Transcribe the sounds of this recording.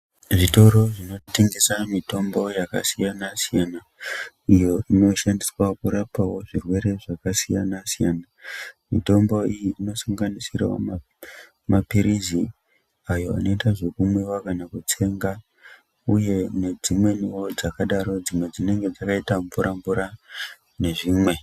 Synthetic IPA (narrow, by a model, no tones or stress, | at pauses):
ʐito̞ɾo̞ʐino̞teŋɡesamito̞mbo̞jaka̰sijanasijana | ijo̞ino̞ʃandiswakuɾapawo̞ʐirwe̞ɾe̞ʐakasija̰nasijanamḭto̞mbo̞ijiːno̞saŋɡanisira̰o̰m | mapiɾizi | ajo̞a̰no̞itaʐo̞kumwiwakanakutʰe̞ŋɡa | uje̞ne̞d͡zimwe̞niwo̞d͡zakaɗaɾo̞d͡zimwe̞d͡zine̞ŋɡe̞d͡zakaitaɱvuɾaɱvuɾa | ne̞ʐiːmwe̞